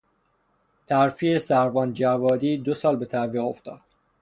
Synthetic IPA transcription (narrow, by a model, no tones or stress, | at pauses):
t̪ʰæɾfiesæɾvɒːnd͡ʒævɒːd̪iːd̪osɒːlbe̞t̪ʰæviːɣo̞ft̪ɒ̰ːd̪̥